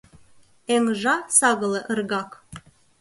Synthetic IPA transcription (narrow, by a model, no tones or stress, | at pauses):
eŋʒɑsɑɣɤ̆lˠɤ̆ʔə̆rɣɑk